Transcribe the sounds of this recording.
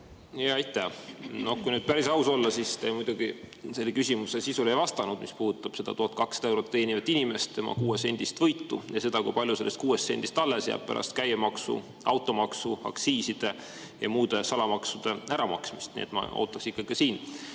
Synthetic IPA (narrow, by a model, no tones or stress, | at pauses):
jɑjt̪ːˑæno̞hkujnyːd̪̥̚pæɾisɑuso̞lːɑsist̪emujd̪̥uɡ̥ise̞lːekysʲimusesisule̞jvɑst̪ɑnud̪̥mispuːh̪ut̪ːˑɑb̥se̞d̪̥ɑt̪uhɑt̪̚kɑksɑd̪ɑewɾo̞t̪ːeːnivɑt̪ːˑinime̞st̪ːe̞mɑ̰kuːese̞nʲd̪̥ist̪vɤjt̪ːujɑse̞d̪̥ɑkujpɑlʲjuse̞lːest̪̚kuːestːe̞̰nʲd̪ist̪ɑlːesjæ̰ːb̥̚pæ̰ɾʔɑ̰st̪kæjemɑksṵ | ɑwt̪ːˑo̞mɑksuɑ̰ksiːsid̪̥e̞ | jɑ̰muːd̪̥e̞sɑlɑmɑksud̪̥e̞æɾɑmɑksmist̪nḭet̪mɑ̰o̰ːt̪ːˑɑksikːɑɡ̥i̥ɑsiːn